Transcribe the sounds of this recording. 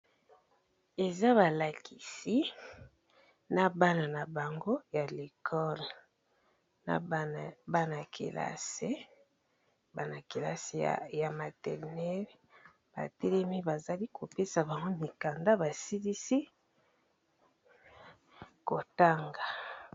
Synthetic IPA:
e˨za˦βa˨la˨kʰi˨si˦ | na˨ba˦na˨na˨ba˨ŋɡo˦ja˨le˨kʰɔ˦l | na̰˨˦˨ba˦na˨kʰḛ˨la̰˦se˦ | ba˦na˨ki˨la̰˦se˨ja˨ma˨tɛ˨ʁnɛ˦l | b̥a̰˨tɛ˦lɛ˦mi˦ba˨za˨li˦ko˨pe˦sa˨ba˨ŋɡo˦mi˨ka˨nda˦ba˨si˦li˦si˦ | ko˨ta˦ŋɡa˨

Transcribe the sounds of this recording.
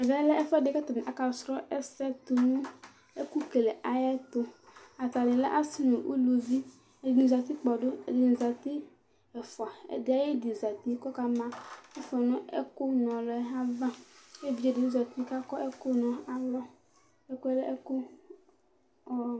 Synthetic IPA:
ɛ˨va˦lɛ˦ʔɛ˦fɔ˦de˨ka˦t̪ɔ˨ñ˨ʔa˨ka˨sɾɔ˦ʔɛ˦sɛ˦t̪o˨nũ˦ | e˦ku˦ke˨le˨ʔa˨jɛ˦t̪o˦a˨t̪a˨nɪ̃˨lɛ̰˦ʔa˦si˦nõ˨ʔṵ˦lo˨vi˦ | e˨de˨nũ˨za˨t̪i˦k͡pɔ˨ɖo˦ḛ˨d̪e˨nũ˨za˨t̪i˦ | ɛ˨fɔ˨a˨ḛ˨d̪ɪ˦a˨je˦di˨za˨t̪i˦kɔ˦ka˦mã˦e˦fɔ˨nɔ̃˦ḛ˦ko˦nɔ̃˨lɔ˨˦ɦa˦va˦e˦vi˦e˨de˨nũ˦za˨t̪i˦ka˦kɔ˦ʔe˦ko˦nɔ̃˨a˨lɔ˦ | e˦ko˦ɛ˦lɛ˦ʔe˦ko˦ | ɔ˨

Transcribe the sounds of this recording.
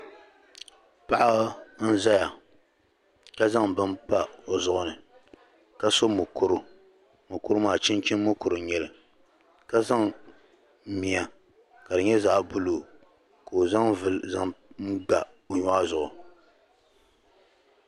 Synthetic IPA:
pa˦ʔa˦n̩˦za˦ja˨ | ka˦za˦ŋbɨ˦mpa˦o˨zʊ˨ʔʊ˨nɨ˨ | ka˦so˦mʊ˨kʊ˦ɾʊ˦ | mo˨kʊ˦ɾʊ˦maː˨t͡ʃɪ˦nt͡ʃɪ˦n˦mo˦kʊ˨ɾɨ˨ɲɛ˨lɨ˨ | ka˦za˦ŋ̩˦ | mi˨ja˨ | ka˨dɨ˨ɲɛ˦za˦˨ʔbʊ˦loː˨ | ka˨o˨za˦ŋvɨ˨lza˦ŋ̩˦ɡ͡ba˨ | o˨ɲʊ˦a˦zʊ˨ʔʊ˨

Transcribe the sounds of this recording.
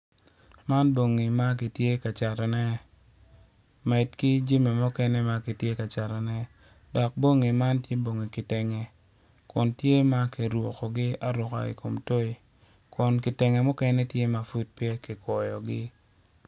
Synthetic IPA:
ma˦nbo˨ŋi˨ma˦k̬i˨tje˦ka˨t͡ʃa˨ɾɔ˨nɛ˦ | mɛ˨tki˦d͡ʒi˦me˨mʊ˦kɛ˦nɛ˦ma˦ki˨tje˦ka˨t͡ʃa˨ɾɔ˨nɛ˦ | dɔ˨k̚bo˦ŋi˨ma˦ntje˦bo˨ŋi˨kɪ˨tɛ˨ŋɛ˨ | kʊ˨ntje˦ma˦ki˨ɾwo˨kɔ˨ɡɪ˦a˦ɾʊ˨ka̰˨ḭ˨kʰo˨mto˦i˨ | kʊ˨nkɪ˨tɛ˨ŋɛ˨mʊ˦kɛ˦nɛ˦tje˦ma˨fu˦d̚pje˦kɪ˨kwɔ˨jɔ̰˨ɡɪ˦

